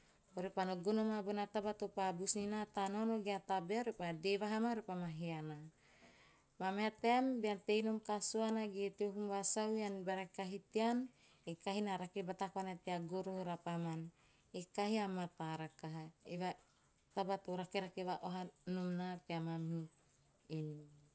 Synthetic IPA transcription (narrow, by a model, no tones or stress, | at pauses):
oɾepanoɡonomabonat̪abat̪opabusninat̪anonoɡeat̪abeaɾepadevaɦamaɾepamaɦeana | mameat̪eambeant̪ejnomkasoanaɡet̪eoɦumvasawianbaɾakaɦit̪ean | ekaɦinaɾakebat̪akoanat̪eaɡoɾohoɾapaman | ekaɦiamat̪aɾakaɦaeva | t̪abat̪oɾakeɾakeβaʔoɦanumnateamamhi | eni